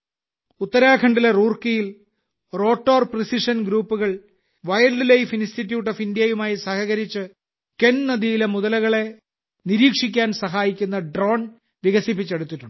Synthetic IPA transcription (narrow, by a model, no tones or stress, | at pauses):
ut̪ːɐɾaːkʰɐɳɖilɐruːrkijil | ro̞ːʈːoːrprisiʂɐnɡɾuːpːuɣɐɭ | ʋɐjɐɭɖlejfinstitːjuːʈːofindijɐjumaːjisɐhɐɣɐɾit͡ɕːɨ | kennɐðijilemuðɐlɐɣɐɭe̞ | niɾiːkʂik̬ʲːaːnsɐɦaːjikʲːunːɐɖro̞ːn | ʋiɣɐsip̬ːit͡ɕːeɽut̪ːiʈːuɳɖɨ